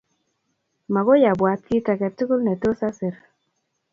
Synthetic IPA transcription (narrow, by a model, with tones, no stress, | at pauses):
ma˨ɣo˦ja˨bwa˨t̚ki˦ta˨kɛ˨tʊ˦kʊ˦lnɛ˨to˦sa˦sɪ˨ɾ